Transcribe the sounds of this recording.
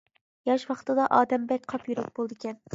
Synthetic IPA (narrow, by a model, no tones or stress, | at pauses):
jɑʃwɑqʰt̪ɨd̪ɑʔɑːd̪ɛmbɛk̚ʲqʰɑpjyɾɛk̚ʲb̥olˠd̪ɨkʲɛn